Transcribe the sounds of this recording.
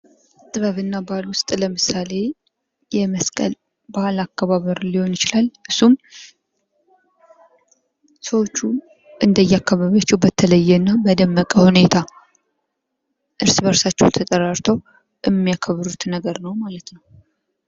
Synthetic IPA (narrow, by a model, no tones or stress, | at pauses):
t̪ʼɨβəβɨnːabalwʊst̪ʼləmɨsale̞ | jɛməskʼə̰l | bahalakːaβaβəɾliho̞njɪt͡ʃɪlalʔɨsum | səwo̞t͡ʃːu | ʔɨnd̪əjːakːaβaβat͡ʃːɛwbət̪ʰələjːɛnːaməd̪əmːəkʼəhune̞t̪ʰa | ʔɨɾsbəɾsat͡ʃːɛ̰wt̪ʰət̪ʼəɾaɾt̪ʰow | ʔɛmːijakʰəβɾut̪nːəɡəɾnəwmalət̪nəw